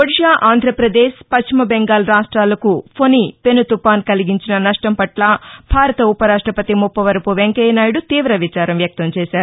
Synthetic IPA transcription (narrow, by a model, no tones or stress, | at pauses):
koɽiʃaːʔaːnd̪ʱɾɐpɾɐd̪eːʃpɐt͡ʃt͡ʃimɐbeŋɡaːlɾaːʂʈɾaːlɐkupʰonipe̞nut̪upaːnkɐliɡiɲt͡ʃinɐnɐʂʈɐmpɐʈlɐbʱaːɾɐt̪ɐupɐɾaːʂʈɾɐpɐt̪imupːɐʋɐɾɐpuʋeŋkɐjnaːjɽut̪iːʋɾɐʋit͡ʃaːɾɐmʋjɐk̚t̪ɐmt͡ʃɛːʃaːɾu